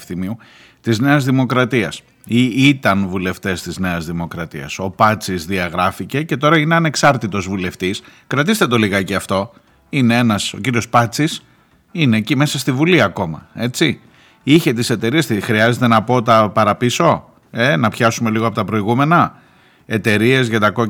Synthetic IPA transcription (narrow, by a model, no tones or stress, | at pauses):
fθimiu | t̪izne̞ɐzðimo̞kɾɐt̪iɐs | iit̪ɐnvule̞ft̪e̞st̪izne̞ɐzðimo̞kɾɐt̪ḭɐ̰so̞pɐt͡sizðiɐɣɾɐfice̞ce̞t̪o̞ɾɐine̞ɐne̞ksɐɾt̪it̪o̞zvule̞ft̪iskɾɐt̪ist̪e̞t̪o̞liɣɐceɐft̪o̞ | ine̞e̞nɐso̞ciɾio̞spɐt͡sis | ine̞ːcime̞sɐst̪ivuliɐko̞mɐ̰e̞t͡si | içe̞t̪ise̞t̪e̞ɾiest̪ixɾiɐze̞t̪e̞nɐpo̞t̪ɐpɐɾɐpiso̞ | enɐpçɐsume̞liɣoɐpo̞t̪ɐpɾo̞iɣume̞nɐ | e̞t̪e̞ɾie̞zʝɐt̪ɐko̞